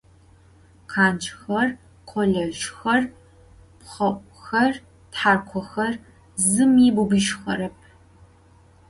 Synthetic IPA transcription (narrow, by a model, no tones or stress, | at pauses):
qʰaːnt͡ʃʰʼxɐr | qʷʰɔɮɐʒxɐr | pχɐʔʷʼxɐr | tħaːrqʷʰɔxɐr | zɨmiːbubɨʃxɐ̰ɾɐp̚ʰ